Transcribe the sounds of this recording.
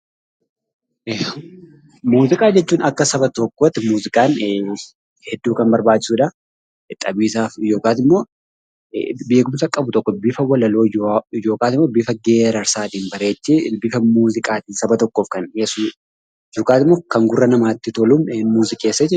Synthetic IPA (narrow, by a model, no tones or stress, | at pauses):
muːzɪkʼaːd͡ʒɛt͡ʃːuːnɐkːɐsɐbɐt̪ɔkːot̪ːɪmuːzɪkʼaːn | hɛd̪ːuːkɐmbɐɾbaːt͡ʃːɪsuːᶑɐ | t̪ʼɐbiːsaːfjo̞ːkaːt̪ɪmːo̞ː | be̞ːkʊmsɐkʼɐbʊt̪ɔkːɔbɪfɐwɐlɐlo̞ːjo̞ːkaːt̪ɪmːoːbɪfɐɡeːɾɐɾsaːt̪iːmbɐɾe̞ːt͡ʃːebɪfɐmuːzɪkʼaːt̪ɪsɐbɐt̪ɔkːo̞ːfkɐneːsuː | jo̞ːkaːt̪ɪmːo̞ːkɐŋɡʊrːɐnɐmaːt̪ːɪt̪ɔluːmmuːzɪkʼeːsːɐd͡ʒɛ